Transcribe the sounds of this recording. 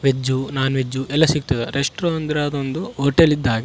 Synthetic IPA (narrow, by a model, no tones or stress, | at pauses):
ʋed͡ʒːunaːnuʋed͡ʒːuʔɛlːɐsiɡ̚t̪ɐd̪eɾʔeʂʈɾoɐnd̪ɾaːd̪ond̪uɦoːʈelid̪ːaːɡɐ